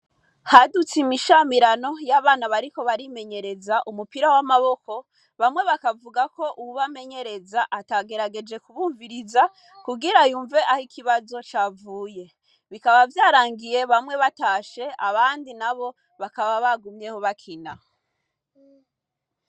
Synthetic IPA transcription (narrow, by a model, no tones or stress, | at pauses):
hadut͡simiʃamiɾano̞jaβaːnaβaɾiko̞βaɾime̞ɲe̞ɾe̞zaʔumupiɾawamaβo̞ko̞ | βamŋe̞βakavuɡako̞ʔuwuβame̞ɲe̞ɾe̞zaʔataɡe̞ɾaɡe̞d͡ʒe̞kuβuːɱviɾiza | kuɡiɾajuːɱve̞ʔahikʰiβazo̞t͡ʃaːvuːje̞ | βikaβavjaːɾaːŋɡije̞βamŋwe̞βataːʃe̞aβaːndinaβo̞ | βakaβaβaɡumɲe̞hoβakʰina